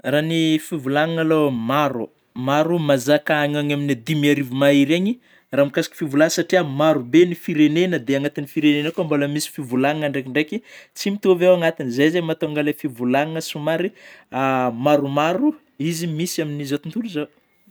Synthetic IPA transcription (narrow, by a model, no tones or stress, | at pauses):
ranifivulaŋaŋalomaɾu | maɾumazakaaɲaɲaminad̪imiaɾivimaiɾeɲi | ramikasi̥ki̥fivulanəsaʈ͡ʂiamaɾubenifiɾenenəd̪eaŋat̪inifiɾenenakuamboləmisi̥fivulaŋaŋaɳɖ͡ʐekiɳɖ͡ʐekit͡simit̪uvewaŋat̪inizejzemat̪oaŋɡalefivulaŋaŋəsumaɾiamaɾumaɾu | izimisaminizot̪unt̪uluza